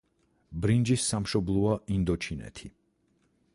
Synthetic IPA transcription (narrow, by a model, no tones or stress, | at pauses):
bɾind͡ʒisːamʃɔblˠɔaʔind̪ɔt͡ʃʰinɛ̰t̪ʰi